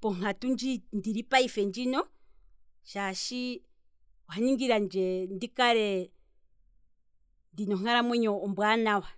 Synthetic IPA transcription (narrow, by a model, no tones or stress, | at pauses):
pɔŋ̥atund͡ʒindiɾipaifɛnd͡ʒinɔ | ʃaʃi | whaɲiŋɡiɾand͡ʒɛndikaɾɛ | ndinɔŋ̥aɾamwɛɲɔːmbwanawa